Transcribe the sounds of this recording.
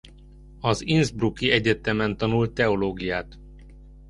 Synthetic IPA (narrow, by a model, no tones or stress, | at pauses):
ɒzinzbrukiɛɟɛt̪ɛmɛnt̪ɒnult̪ːɛoloːɡijaːt̪